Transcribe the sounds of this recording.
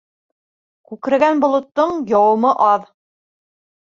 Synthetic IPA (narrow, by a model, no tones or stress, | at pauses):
kʉkɘ̆ɾɘ̆ɡænbŏlˠŏt̪ːoɴjɑwɤ̆mɤʔɑð